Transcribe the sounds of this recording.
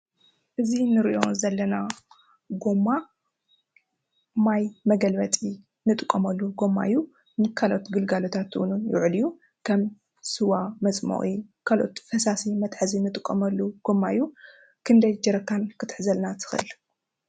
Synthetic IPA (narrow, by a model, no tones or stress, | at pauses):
ʔɨzinɨɾiʔo̞zɐlːɐna | ɡomːa | majmɐɡɐlbɐt̪ʼi | nɨt̪ʼɨkʼːɐmɐlːuɡo̞mːa̰ʔjːu | mɨkʰalo̞t̪ɡɨlɡalot̪ʰat̪ʔṵnujɪ̰ʕliju | kʰɐm | sɨwamɐt͡sʼmo̰χʼikʰalʔo̞̰t̪fɐsasimɐt̪ʼħɨzinɨt̪ʼɨkʼːɐmɐlːuɡ̥omːaɨjːu | kʰɨnd̪ɐjd͡ʒɐɾɐkʰːankʰɨt̪ʰʼħzɐlnat̪ʰɨ̥xʔɨ̰l